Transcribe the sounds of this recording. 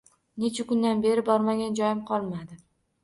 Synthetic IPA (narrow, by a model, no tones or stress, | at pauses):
net͡ʃʰakʊnd̪anbe̞ɾɪbɒɾmaɡʲand͡ʒɒjɪmqʰɒlˠmad̪ɪ